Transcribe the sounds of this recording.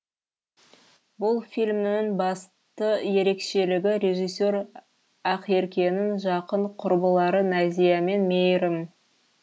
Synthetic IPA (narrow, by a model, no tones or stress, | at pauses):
bʊlˠfʲijlʲmnɪŋbɑs | t̪əje̞ɾe̞kʃe̞lɪɡʲɪɾʲe̞ʒijs̬ʲːe̞ɾ | ɑqe̞ɾkʲe̞nɪŋʒɑqəɴqʰʊɾbəlˠɑɾənæzijame̞nmejɾɪm